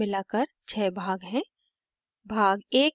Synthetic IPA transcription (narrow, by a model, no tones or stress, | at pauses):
ɪlaːkəɾt͡ʃʰɛːbʱaːɡɦɛ̃ː | bʱaːɡeːk